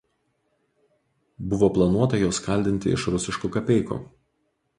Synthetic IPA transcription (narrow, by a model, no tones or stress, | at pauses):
bʊʋoːplˠɐnuɔt̪ɐjoːskɐˑlʲd̪ʲɪnʲt̪ʲɪ̰ɪ̰ʃɾʊsʲɪʃkukɐpʲɛɪkṵː